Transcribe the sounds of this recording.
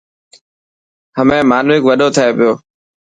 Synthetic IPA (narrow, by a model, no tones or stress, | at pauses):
həmẽːmaːnʋɪkʋəɗoːt̪ʰaeːpɪjoː